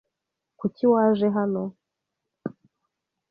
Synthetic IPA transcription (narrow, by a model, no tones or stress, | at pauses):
kuciwaːʒeɦano